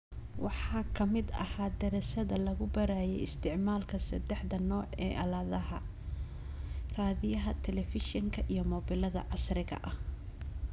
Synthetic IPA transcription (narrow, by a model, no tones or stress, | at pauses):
wɑħɑːkʰɐmɪd̪ɐ̰haːd̪ɛɾɛsɐðɐlɐɣʊbɐɾaːjɛjɪst̪ʰɪʕmaːlkʰɐsɐd̪ɛħd̪ɐnɔːʕɛːʔɐlaːðɐɦɐ | raːðɪjɐɦɐt̪ʰɛlɛfɪʃɪŋkʰɐʔijɔmɔːbɪlɐðɐ̰ʕɑsrɪɣɐ̰ʔɐh